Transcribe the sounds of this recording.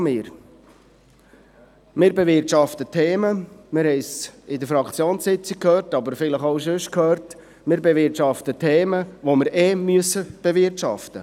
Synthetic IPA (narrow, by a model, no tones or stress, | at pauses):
mɪːɾ | mɪːɾbeʋɪɾtʃɑft̪ətʰeːməmɪɾhɛɪsɪd̪əfɾɑkt͡sjoːnsɪt͡sɪk̚ʰhøːrtɑbəɾfɪləχoʊʃ̬ɵʃkʰøːɾt | mɪːɾbeʋɪɾtʃɑft̪ətʰeːməʋomɪɾemyəsəb̥eʋɪɾtʃɑ̰ft̪ə